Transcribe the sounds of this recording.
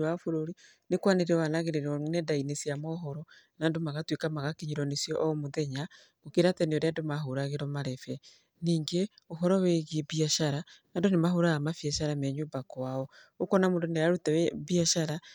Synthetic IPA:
wafoɾoɾi | nekwaneɾeɔwanaɣeɾeɾɔnedainesjamɔɦɔɾɔ | nandomaɣatwekamaɣakiɲiɾɔnesjɔʔmoðɛɲa | okeɾatɛneɔɾeandomaɦoɾaɣeɾɔmaɾɛfɛ | niːŋɡeoɦɔɾɔweɣiebiaʃaɾanandonemaɦoɾaɣamafjɛʃaɾamɛɲoːbakwaɔokɔnamondoneaɾutawβiaʃaɾa

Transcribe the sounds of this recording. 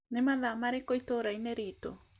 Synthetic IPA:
nemaðamaɾekoitoɾaineɾito̰

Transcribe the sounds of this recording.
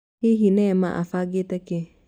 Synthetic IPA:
hiɦinɛma̰ʔa̰faɡetɛkɛ

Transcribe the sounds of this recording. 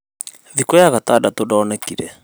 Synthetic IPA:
ðikɔjaɣatadatodɔːnɛkiɾɛ

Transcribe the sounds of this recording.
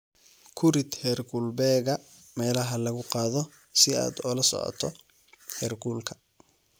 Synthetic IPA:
kʰʊɾɪd̪hɛrɡulbɛːɣɐ | mɛːlɐɦɐlɐɣʊqɑːðɔ | sɪa̰ːd̪ɔlɐsɔ̰ʕɔ̰t̪ʰɔ | hɛːrɡuːlkʰɐ̥

